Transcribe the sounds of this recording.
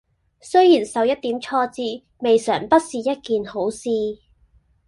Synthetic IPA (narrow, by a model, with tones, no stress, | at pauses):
sɵ˥ɥjiː˨˩nsɐ˨wjɐ˥t̚t̪iː˨˥mt͡ʃʰɔː˧t͡siː˧ | me˨jsœː˨˩ŋpɐ˥t̚siː˨jɐ˥t̚kiː˨nho˨˥wsiː˧